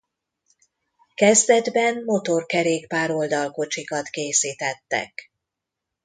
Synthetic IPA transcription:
kɛzd̪ɛd̪bɛnmo̞t̪o̞rkɛɾeːkpaːɾo̞ld̪ɒlko̞t͡ʃikɒt̪keːsiːt̪ɛt̪ːɛ̰k

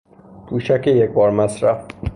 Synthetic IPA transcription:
kʰuːʃækejekbɒːɾmæsɾæf

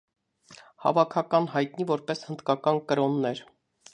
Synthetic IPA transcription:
hɑ̰vɑkʰɑkɑnhɑjt̪nivɔɾpɛshənd̪kɑkɑnkəɾɔnːɛɾ

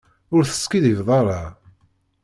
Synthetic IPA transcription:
ʊɾθə̥skiðivðˤɑɾˤɑ

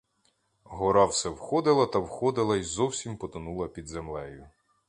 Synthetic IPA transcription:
ɦɔɾɑwsɛwxɔd̪ɪlˠɐt̪ɐwxɔd̪ɪlˠɐizɔwsʲimpɔt̪ɐnulˠɐpʲid̪zemlˠɛjʊ

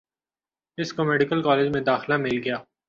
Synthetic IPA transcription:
ɪskomɛːɖɪkəlkaːleːd͡ʒmẽd̪aːxlamɪlɡɐjaː

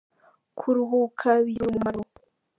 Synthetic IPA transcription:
kʰuɾuɦukʰaβiɾomumaɾo

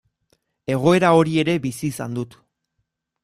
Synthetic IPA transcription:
e̞ɣ̞o̞e̞ɾao̞ɾie̞ɾe̞bisiːsa̰nd̪ut̪

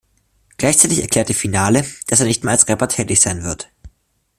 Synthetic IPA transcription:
ɡ̥laɪçt͡saɪtɪçɛɐkʰl̥ɛːɐtd̥efinaːləd̥aseːɐnɪçt̚meːɐlalsʁɛpɐtʰɛːtɪçz̥aɪnvɪɐt

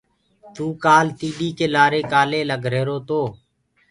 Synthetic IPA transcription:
t̪uːkaːlt̪iːɗiːkeːlaːɾeːkaːleːləɡʱɾeːɾoːt̪oː

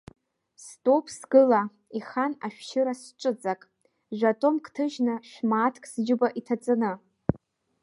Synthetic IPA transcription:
stʼo̞pʰsɡɨla | iχanaʃᶣʃɪɾasʈ͡ʂʼɨt͡sʼakʼ | ʒᶣʷatʼomkʰʼtʰɨʒnɨʃᶣmaːtʰkʼsd͡ʒɪbaʔitʰat͡sʼanɨ

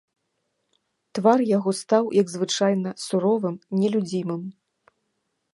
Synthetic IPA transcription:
t̪varjaɣɔst̪awjʔɐɡzvɨt͡ʂajnɐsuɾɔvɨmnʲɛlʲud͡zʲimɨm

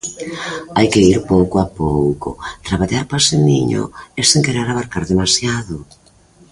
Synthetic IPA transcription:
ajkɪiɾpowkoapowkʊ̰t̪ɾaβaʎaɾpaseniɲo̰eseŋkeɾeɾaβaɾkaɾðemasjaðʊ

